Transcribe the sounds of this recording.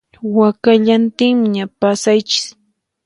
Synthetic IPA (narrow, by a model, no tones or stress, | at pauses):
wakaʎant̪ɪŋmɪɲapasajt͡ʃɪ̥s